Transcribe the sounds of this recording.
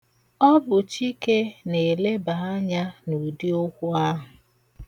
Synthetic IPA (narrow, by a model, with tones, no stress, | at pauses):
ɔ˦bʊ˨t͡ʃi˦ke˦ne˨le˦ba˨a˦ɲa˦nu˨di˦o˦kʷʊ˦a˦ɦʊ˨